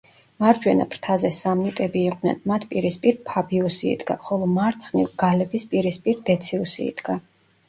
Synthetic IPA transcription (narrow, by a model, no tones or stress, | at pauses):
maɾd͡ʒwɛna̰pʰɾt̪ʰazɛsamnit̪ʼɛbiːqʼdnɛ̰nmat̪ʰpʼiɾispʼiɾpʰabiusḭːd̪ɡaχɔlˠɔmaɾt̪sʰχnivɡ̥alɛbispʼiɾispʼiɾd̪ɛt̪sʰiusḭːd̪̥ɡa